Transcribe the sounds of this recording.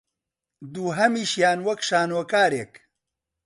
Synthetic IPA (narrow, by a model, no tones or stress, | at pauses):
d̪uːɦɐmiːʃjaːnwɐkʃaːnokaːɾeːk